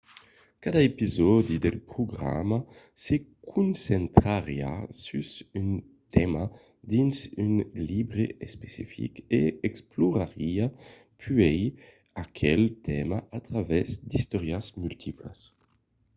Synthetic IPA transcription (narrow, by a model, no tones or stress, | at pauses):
kad̪aepizɔd̪id̪elpɾuɡɾa̰ma | sekʰunsent̪ɾaɾja̰sysyn | t̪ʰɛma | d̪insynlibɾeespesḭfḭkeɛkspluɾaɾia | pʰyɛj | akʰɛlt̪ʰɛmaat̪ɾavɛzd̪ist̪ɔɾjasmylt̪ʰiplə̰s